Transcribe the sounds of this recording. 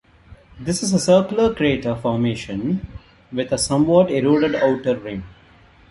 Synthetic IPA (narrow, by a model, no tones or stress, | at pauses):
d̪ɪsɪzəsəːkləkɾieːʈəfɔːɾmeːʃə̃n | ʋɪd̪əsʌ̃mʋɔːʈeɾoːɖəɖaʊʈəɾːɪ̃ŋ